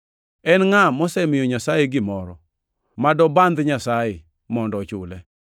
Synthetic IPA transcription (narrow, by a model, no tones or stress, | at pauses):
ɛnŋamɔsɛmɪjɔɲasajeɡɪmɔɾɔ | madɔband̪ɲasaje | mɔndɔt͡ʃʊ̰lɛ